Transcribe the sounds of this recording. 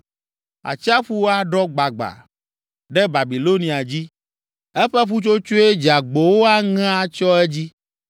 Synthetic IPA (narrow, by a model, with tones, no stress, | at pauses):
a̰˨t͡ɕi˦a˦ɸu˦wo˦a˦ɖɔ˦ɡ͡ba˨ɡ͡ba̰˨ | ɖɛ˦ba˨bi˨lo˦nĩ˨a˨d͡ʑi˦ | ɛ˦ɸɛ˦ɸu˦t͡ʃo˦t͡ʃo˦e˦d͡ʒa˨ɡ͡bo˨wo˦a˦ŋã˦a˦t͡ʃɔ˦ɛ˦d͡ʑi˦